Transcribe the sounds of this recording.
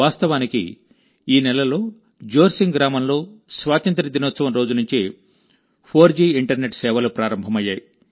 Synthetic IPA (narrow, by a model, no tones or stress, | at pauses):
aːst̪ɐʋaːnikḭ | iːnɛlɐlo̞ː | d͡ʒoːɾsiŋɡɾaːmɐmlo̞ːsʋaːt̪ɐnt̪ɾɐd̪inoːt̪sɐʋɐmɾo̞ːd͡ʒunuɲt͡ʃi | pʰoːɾd͡ʒiːiɳʈɐɾne̞ʈsɛːʋɐlupɾaːɾɐmbʱɐmɐjːaːji